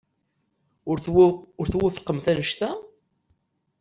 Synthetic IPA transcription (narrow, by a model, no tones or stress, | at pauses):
ʊɾʊɾθwɪfqːəmθænəʃt̪æ